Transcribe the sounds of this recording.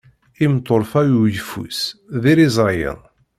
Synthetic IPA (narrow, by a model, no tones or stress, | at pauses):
imt̪ˤːoɾˤfæjujfṵsðiɾizˤɾˤjə̰n